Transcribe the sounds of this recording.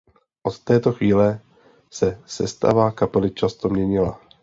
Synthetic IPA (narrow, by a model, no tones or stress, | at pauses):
ʔot̪ːɛːt̪o̞xviːlɛ | sɛsɛ̰st̪a̰vakapɛlɪt͡ʃast̪o̞mɲɛɲɪla̰